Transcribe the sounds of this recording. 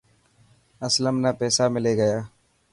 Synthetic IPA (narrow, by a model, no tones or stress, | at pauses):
əsləmnapɛːsamɪleːɡəjaː